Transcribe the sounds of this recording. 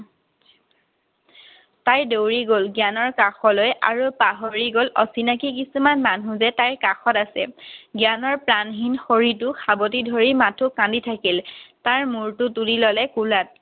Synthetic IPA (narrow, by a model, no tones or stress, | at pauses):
tajdowɹiɡolɡjanɔɹkaxɔlojʔa̰ɹupaɦoɹiɡolʔɔsinakik̬isumanmanɦũzɛtajɹkaxɔtasɛ̰ɡjanɔɹplanɦinxoɹitʊxabɔt̬idʱoɹimatʰukãnditʰakiltaɹmuɹtʊtulilɔlɛkulat̚